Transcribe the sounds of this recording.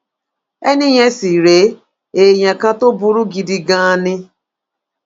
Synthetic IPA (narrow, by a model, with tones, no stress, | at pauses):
ɛ˦nɪ˦ɲe˦si˨ɾe˨˦ | e˨ɲa˨ka˦to˦bʊ˨ɾu˦ɡi˨di˨ɡa˦a˦nɪ˦